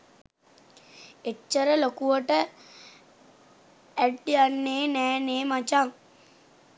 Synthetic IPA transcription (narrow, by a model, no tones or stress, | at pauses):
eːəɾəlokuʋəʈə | æɖːianːeːnɛːneːmat͡ʃaŋ